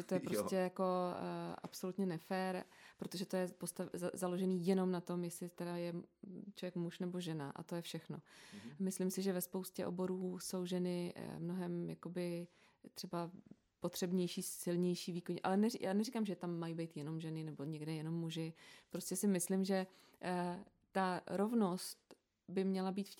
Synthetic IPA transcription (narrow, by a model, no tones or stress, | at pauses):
ɛt̪ojɛpɾoscɛjako̞ʔa̰pso̞lut̪ɲɛnɛfɛːɾpɾo̞t̪o̞ʒɛt̪o̞jɛpo̞st̪azalo̞ʒɛniːjɛno̞mnat̪o̞mjɛslɪt̪ɛdajɛt͡ʃlovjɛkmuʃnɛbo̞ʒɛna̰ʔa̰t̪o̞jɛfʃɛxno̞mɪslɪmsɪʒɛvɛspo̞wscɛ̰ʔo̞̰bo̞ɾuːso̞wʒɛnɪmno̞ɦɛmjako̞bɪ | t̪r̥ɛba | po̞t̪r̝̥ɛbɲɛjʃiːsɪlɲɛjʃiːviːkoɲʔa̰lɛnɛjʔaːnɛrikamʒɛt̪amːajibejt̪jɛno̞mʒɛnɪnɛbo̞ɲɛɡdɛjɛno̞mːuʒɪpɾo̞scɛsɪmɪslɪmʒɛ | t̪aɾo̞vno̞st̪ | bɪmɲɛlabiːt̪f